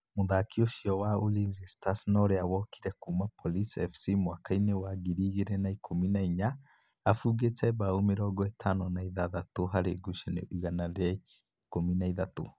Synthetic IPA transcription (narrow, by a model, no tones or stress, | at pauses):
muðakioʃiɔwaolinzistasnɔɾeawɔkʰi̥ɾɛkumapʰolisɛfsimwaːkainewaɡiɾiɣeɾɛnaikʰominaiɲa | afuːɣet͡sɛβaomeɾɔɡɔetʰanɔnaiðaðatoɦaɾeɡuʃɛnḛʔiɣanaɾai | kominaiðato